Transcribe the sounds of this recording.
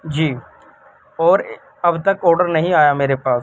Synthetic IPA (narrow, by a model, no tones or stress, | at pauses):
d͡ʒiː | ɔːɾ | ɐbt̪ɐkɔːɾɖəɾnɐɦĩaːjameːɾepaːs